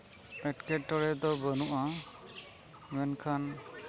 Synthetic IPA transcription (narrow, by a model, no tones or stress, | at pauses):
ɛʈkɛʈːɔɾɛd̪ɔbənuʔa | mɛnkʰan